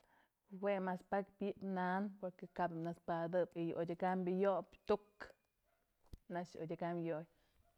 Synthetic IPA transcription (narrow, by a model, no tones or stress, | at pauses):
wemaspakbjiʔpnanpoɾkekabimnaspad̪ɨbijʔodʲaɡambijobt̪uk | nat͡ʃo̰dʲaɡamjoj